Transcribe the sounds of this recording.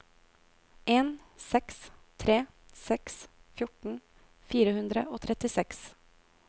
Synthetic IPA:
ʔeːnsɛkst̪ʰɾeː | sɛksfjʊʈɳ̩ | fiːɾəhʉnd̪ɾə̰ʔoːt̪ʰɾɛt̪ɪsɛks

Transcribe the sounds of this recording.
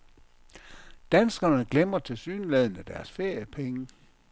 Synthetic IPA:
d̥ænsɡ̥ɐnəɡ̥lemɐt͡sʰe̝lsyːnlɛð̞̰ˠn̩æd̥æɐsfe̝ɐ̰jəpʰeŋə

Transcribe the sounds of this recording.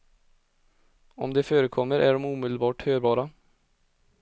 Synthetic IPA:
ɔmd̪ɛføːɾəkʰɔmːəɾʔæɖɔmuːmɪd̪lbɑːʈhøːɾbɑːɾa

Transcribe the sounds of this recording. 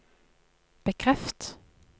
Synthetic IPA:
b̥əkʰʁɛft̪

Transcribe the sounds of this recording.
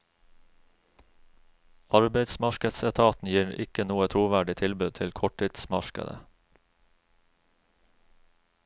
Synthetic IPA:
ʔɑɹbeɪd̪smɑʃkəsɛt̪ʰɑːt̪n̩jiːʔɪkənuːət̪ʰɾuːʋæɖɪt̪ʰɪlbʉd̪̚t̪ʰɪlkʰɔʈʰɪt̪smɑʃkə̰d̪ə̰

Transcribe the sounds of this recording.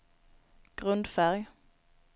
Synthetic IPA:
ɡ̥ʁʉnd̪fæʁj

